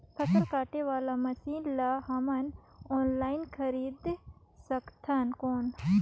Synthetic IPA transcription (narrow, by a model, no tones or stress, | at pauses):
pʰɐkəlkaːʈeʋaːlamɐsiːlaɦɐmɐnoːnlaːinkʰɐɾiːd̪ | sɐkt̪ʰankoːn